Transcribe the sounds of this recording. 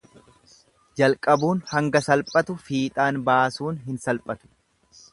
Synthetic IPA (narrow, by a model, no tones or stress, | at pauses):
d͡ʒɐlkʼɐbuːnhɐŋɡɐsɐlpʼɐt̪ʊfiːt̪ʼaːnbaːsuːnɦɪnsɐlpʼɐt̪ʊ̥